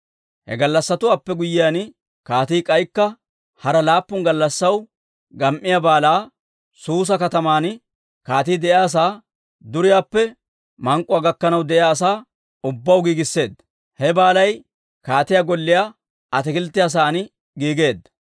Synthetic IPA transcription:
hɛ̰ɡɐlːɐsːɐt̪ʊwaːpːɛɡʊjːɪjaːn | kaːt̪iːkʼɐjkːɐ | hɐɾɐlaːpːʊnɡɐlːɐsːɐw | ɡɐmʔːɪjabaːlaː | suːs̬ɐkɐt̪ɐmaːn | kaːt̪iːd̪ɛʔjaːs̬aː | d̪ʊɾɪjaːpːɛ | mɐŋkʼːʊwaːɡɐkːɐnɐwd̪ɛʔɪaːsaː | ʊbːɐwɡiːɡɪsːe̞ːd̪ | hɛbaːlɐj | kaːt̪ɪjaːɡɔlːɪjaː | ɐt̪ɛkɪlt̪ːɪjaːs̬aːn | ɡiːɡe̞ːd̪ɐ

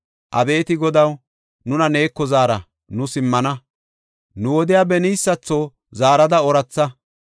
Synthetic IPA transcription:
ʔɐbe̞ːt̪ɪɡɔd̪ɐw | nʊnɐne̞ːkːɔzaːɾɐ | nʊsɪmːɐnɐ | nʊwɔd̪ɪjaːbɛniːsːɐt͡sːo | zaːɾɐd̪ɐɔɾɐt͡sːɐ

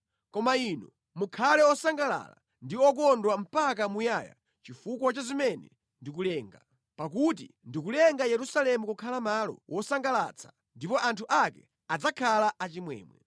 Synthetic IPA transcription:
kɔmainɔ | mukʰalɛɔsaŋɡala̰la̰ | ndiɔk̬ɔndwam̩pak̬amujaːja̰ | t͡ʃifukwɔt͡ʃazimɛnɛ̰ | ndik̬ulɛːŋɡa | pak̬ut̬ḭndikulɛŋɡajɛɾusalɛmukukʰalamaːlɔ̰wʔɔsaŋɡala̰t͡sʰḁ | ndipɔʔantʰuʔakɛ | ad͡zakʰalaʔat͡ʃimwɛ̰ːmwɛ̰

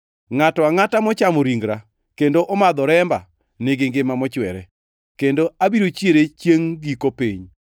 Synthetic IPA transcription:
ŋatɔaŋatamɔt͡ʃamoɾiŋɡɾa | kendoʔɔmad̪ɔɾɛmba̰ | neɡeŋɡɪmamɔt͡ʃwɛɾɛ | kendoabiɾot͡ʃjeɾet͡ʃjeŋɡikopiɲ

